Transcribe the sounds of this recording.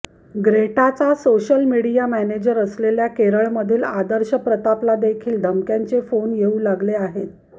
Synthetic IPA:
ɡɾeʈat͡sasoɕəlmiɽijamæned͡ʑəɾəsleljakeɾəɭməd̪ʱiːlad̪əɾɕəpɾət̪aplad̪ekʰiːld̪ʱəmkjaɲt͡sefonjeuːlaɡleaɦet̪̚

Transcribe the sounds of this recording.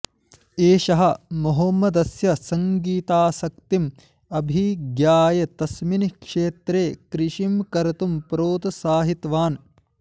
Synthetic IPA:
eːʃɐɦɐ̆moɦoːmɐd̪ɐsjɐsɐŋɡiːt̪aːsɐk̚t̪im | ɐbʱiɡjaːjɐt̪ɐsminikʂeːt̪ɾeːkɾɪʂimkɐɾɐt̪umpɾoːt̪saːɦit̪ʋaːn

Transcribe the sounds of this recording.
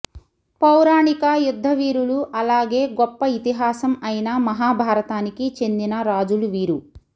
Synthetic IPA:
pɐwɾaːɳikɐjud̪ʱːɐʋiːɾuluʔɐlaːɡe̞ːɡɔpːɐit̪iɦaːsɐmɐjnɐmɐɦaːbʱaːɾɐt̪aːnikit͡ʃe̞nd̪inɐɾaːd͡ʒuluʋiːɾu

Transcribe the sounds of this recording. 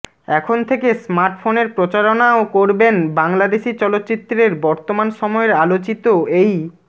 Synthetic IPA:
ɛkʰont̪ʰekesmaɾʈfoneɾpɾot͡ɕaɾonaokoɾbenbaŋlad̪eʃit͡ɕɔlot̪ːt͡ɕit̪ːɾeɾbɔɾt̪omanʃɔmɔeɾalot͡ɕit̪oej

